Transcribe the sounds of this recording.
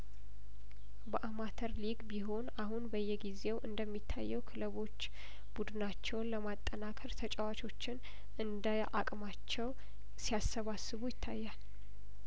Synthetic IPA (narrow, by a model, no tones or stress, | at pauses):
bəʔamat̪ʰəɾliɡbiɦo̞nahunbəjːɛɡize̞wʔɨnd̪əmːit̪ʰːa̰jːɛwkʰɨləβo̞t͡ʃː | b̥ud̪ɨnat͡ʃːɛwnləmat̪ʼːənakʰəɾt̪ʰət͡ʃʼɛwat͡ʃʰo̞t͡ʃːɪn | ʔɨnd̪əʔakʼmat͡ʃːɛw | sijasːəβasːɨβujɪt̪ʰːajːal